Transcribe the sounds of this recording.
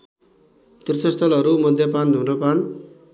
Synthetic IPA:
t̪urt̪ʰʌst̪ʌlɦʌɾumʌd̪ʱjʌpand̪ʱunʌpan

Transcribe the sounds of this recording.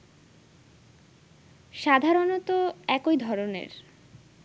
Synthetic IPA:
ʃad̪ʱaɾonot̪oɛkojd̪ʱɔɾonḛɾ

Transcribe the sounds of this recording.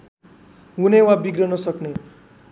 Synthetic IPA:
ɦunewabiɡrɾʌnʌsʌkne

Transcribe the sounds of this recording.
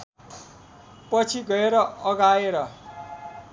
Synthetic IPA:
pʌt͡sʰiɡʌeɾʌʌɡaeɾʌ

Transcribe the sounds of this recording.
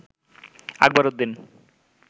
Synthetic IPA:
a̰ɡ̚baɾod̪ːin

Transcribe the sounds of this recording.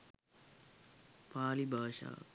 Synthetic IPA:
paːlibʱaːʃa̰ː

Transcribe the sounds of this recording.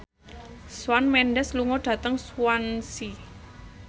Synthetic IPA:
swanmɛnɖɛsluŋɔɖ̥ä̤t̪əŋswansi

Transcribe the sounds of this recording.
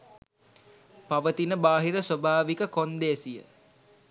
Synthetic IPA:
paʋət̪inəbaːɦiɾəsobʱaːʋikəkond̪ejəsijə̰

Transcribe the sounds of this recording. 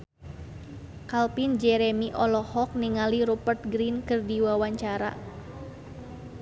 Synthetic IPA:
kalpind͡ʒɛɾɛmiʔɔlɔhɔk̚niŋaliɾupərt̪̚ɡɾinkɨrdiwawaɲt͡ʃaɾa̰

